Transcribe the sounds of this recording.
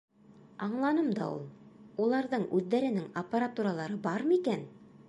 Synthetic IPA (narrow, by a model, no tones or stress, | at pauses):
ɑɴlˠɑnɤmd̪ɑ̰ṵlˠulˠɑɾðɤɴʉðːæɾɘ̆nɘŋɐpːaɾat̪uɾalˠɑɾɤbɑɾmikæn